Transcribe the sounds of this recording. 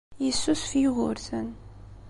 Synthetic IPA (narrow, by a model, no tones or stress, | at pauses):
jisusfjʁʊ̰ɾθən